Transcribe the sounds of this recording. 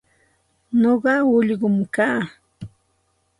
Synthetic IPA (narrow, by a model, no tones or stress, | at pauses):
noɢɑʊʎɢʊmkaː